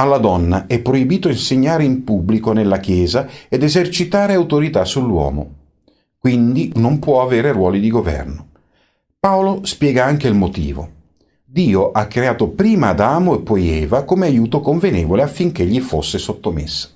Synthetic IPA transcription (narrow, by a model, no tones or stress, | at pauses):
alːad̪ɔnːaɛpːɾoibiːt̪oinseɲːaːɾeimpubːlikonelːakjɛːzaed̪ezert͡ʃit̪aːɾeawt̪oɾit̪asːulːwɔ̰ːmo̰ | kwind̪inompwɔaveːɾerwɔːlid̪iɡovɛ̰rno | paolospjɛːɡaaŋk̟eilmot̪ḭːvo̰ | d̪iːoʔakːɾeaːt̪opɾiːmaːd̪aːmoepːɔjɛːvakomeajuːt̪okoɱvenɛːvoleafːiŋk̟eʎːifosːesot̪ːomḛsːḁ